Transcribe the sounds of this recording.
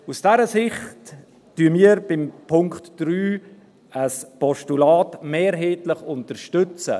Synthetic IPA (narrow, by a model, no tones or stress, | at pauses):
usd̥ɛɾəsɪχtː | yəmiːəɾb̥ɪmpʰʊŋktd̥ɾyː | əspɔʃtulaːtmɛːɾɦeːtləχʊntəɾʃtʏt͡sə̰